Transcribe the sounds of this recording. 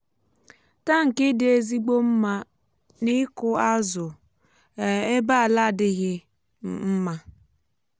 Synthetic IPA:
ta˦ŋ̩˨kɪ˦dɪ˨e˦zi˦ɡ͡bo˦m̩˦ma˦ | nɪ˦kʊ˦a˦zʊ˨ | e˦ba˦a˨la˦˨dɪ˦ɣɪ˦ | m̩˨m̩˦ma˦

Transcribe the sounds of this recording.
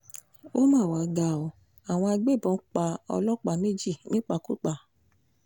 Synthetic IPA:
o˦mãː˦˨wa˨ɡa˨ɔ˨ | a˨w̃ɔ̃˧a˧ɡ͡be˦˨bɔ̃˨˦k͡pa˧ɔ̰˧lɔ˦˨k͡pa˨me˦d͡ʒi˦˨nĩ˦k͡pa˧˨ku˦k͡pa˦˨

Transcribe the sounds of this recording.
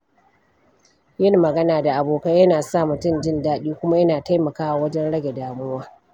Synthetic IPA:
jɪ˦nːɐ˨ɡɐ˦naː˨da˨ʔa˨boː˨ka˦jɐ˦naː˨sa˦˨mʊ˨tʊ˦˨nd͡ʒɪ˦˨ndaː˦ɗiː˦kʷʊ˦ma˦jɐ˦naː˨ta˦jmɐ˨kaː˦ʔa˨wɐ˦d͡ʒɛ˦nɽɐ˦ɡʲe˨daː˨mʊ˦waː˦

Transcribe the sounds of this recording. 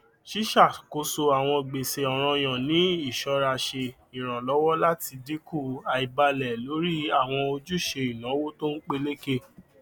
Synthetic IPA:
ʃi˦ʃa˦˨ko˧so˧a˨w̃ɔ̃˧ɡ͡be˨se˨ɔ˨ɾ̃ɔ̃˧j̃ã˨nĩ˨˦i˦˨ʃɔ˧˦ɾa˧ʃe˧ | ĩ˨ɾ̃ã˨lɔ˦wɔ˦la˦ti˧di˨˦ku˦˨a˨i˨ba˧lɛ˨lo˨˦ɾi˦a˦˨w̃ɔ̃˧o˧d͡ʒu˦˨ʃe˧i˨nã˨˦wo˦to˦n̩˦k͡pe˧le˦ke˦

